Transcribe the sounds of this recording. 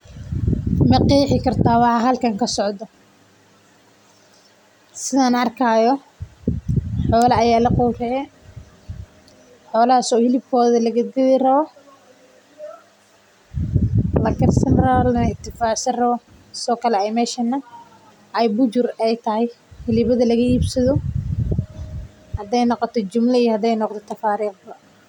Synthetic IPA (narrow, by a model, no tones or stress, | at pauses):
mɛqiːħɪkʰɐrt̪ʰaːwɑħɑɦɐlkʰɐŋkʰɐsɔʕd̪ɔ | sɪðaːnɐrkʰaːjɔ | ħɔːlɐɐjaːlɐqɔwrɛɛ | ħɔːlɐasɔːhɪlɪb̚kʰɔːðɐlɐɣɐd̪ɪðɪrɐβɔ | lɐkʰɐrsɐnralnɪt̪ʰɪfaːʕsɐrɐβɔ | sɔːkʰɐlɛɛjmɛːʃɐnːɐ | ʔɐjbʊd͡ʒʊrɛjt̪ʰɐhɛj | hɪlɪβɐðɐlɐɣɐiːbsɐðɔ | hɐd̪ɛjnɔqɔt̪ʰɔt͡ʃʊmlɐijɔhɐd̪ɛjnɔqt̪ɔt̪ʰɐfaːɾiːqbɐ